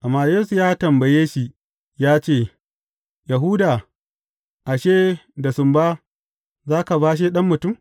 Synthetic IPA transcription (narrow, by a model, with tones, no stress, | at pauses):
ʔa˨mːaː˦joː˦su˨jaː˦tɐ˨mbɐ˨jeː˦ʃi˦ | jaː˦t͡ʃeː˦˨ | ja˨ɦu˦da˨ | ʔa˨ʃeː˦da˨sʊ˨mbaː˦ | zaː˦ka˨baː˦ʃ̬eː˦ɗɐ˦mːʊ˨tʊ˦˨m